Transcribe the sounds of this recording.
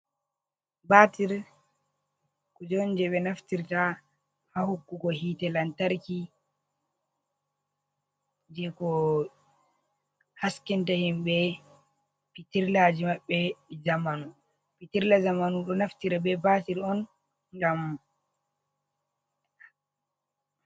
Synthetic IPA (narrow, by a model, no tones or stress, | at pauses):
batiɾ | kɔd͡ʒɔnd͡ʒɛɓɛnaftiɾta | hahokːukɔhitɛlantaɾki | d͡ʒɛkɔ | haskɛntahimɓɛ | pitiɾlad͡ʒimaɓːɛd͡ʒamanu | pitiɾlad͡ʒamanuɗɔnaftiɾabɛbatiɾɔn | ŋɡam